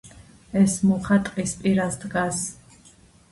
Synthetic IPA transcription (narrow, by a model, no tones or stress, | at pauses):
ɛsmɔχat̪ʼqʼispʼiɾasd̪ɡas